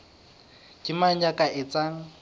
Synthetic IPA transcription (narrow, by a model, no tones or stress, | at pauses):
kɪman̩d͡ʒakʼaʔɪt͡sʼaŋ̩